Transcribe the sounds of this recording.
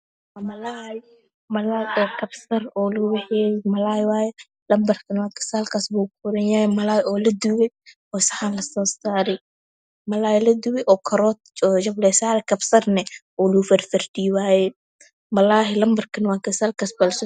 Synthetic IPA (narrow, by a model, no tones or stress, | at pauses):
ɐmɐlaːj | mɐlaːɔkʰɐbsɐrɔːluwɛħɛːjɛmɐlaːjwaːjɛ | lɐmbɐrkʰɐnwaːŋkʰɪ̥saːlkʰasbukʰʊɾɐnjaːjɛmɐlaːjɔːlɐd̪ʊwɛ | ɔːsɐħanlɐsɔːsaːɾɛ | mɐlaːjlɐd̪ʊwɛʔɔːkʰɐɾɔːt̪̚ɔːʃɐblɛsaːɾɛkʰɐbsɐrnɛ | ɔːlufɐrfɐrdiːwaːjɛ | mɐlaːɦɪlɐmbɐrkʰɐnwaːkɪsalkʰasbɐlsɔ